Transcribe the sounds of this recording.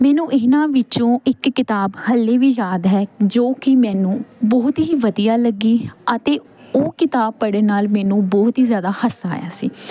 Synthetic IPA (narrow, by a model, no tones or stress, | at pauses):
mɛːnũːʔɪnãːʋɪt͡ʃõːɪkːɪt̪aːbhəlːeːʋiːjaːd̪ɦɛːd͡ʒoːkɪmɛːnũːbɔːʊt̪ɦiːʋəd̪ijaːləɡiːət̪eː | oːkɪt̪aːb̚pəɽeːnaːlmɛːnũːbɔːɦt̪ɦiːzjaːd̪aːhəsa̰ːja̰ːsiː